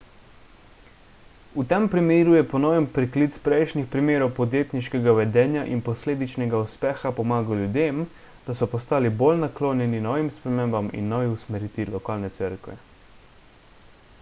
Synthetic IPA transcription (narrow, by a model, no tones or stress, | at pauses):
ut̪ɛmpɾimeːɾujɛpɔnɔːʋɛmpɾiklit̪spɾɛjʃnixpɾimeːɾɔwpɔd̪jeːt̪niʃkɛɡaʋɛd̪ɛːnjaʔinpɔsleːd̪it͡ʃnɛɡauspɛːxapɔmaːɡawljud̪eːm | d̪̥asɔpɔst̪aːlibolnakloːnjɛninɔːʋimspɾɛmeːmbamḭnːɔːʋiusmɛɾiːt̪ilɔkaːlnɛt̪səɾkʋɛ̰